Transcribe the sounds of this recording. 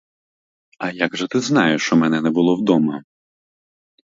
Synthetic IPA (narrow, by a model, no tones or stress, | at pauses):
ɐjaɡʒɛt̪ɪznɑjʊʃt͡ʃɔmɛnɛnɛbʊlˠɔwd̪ɔmɐ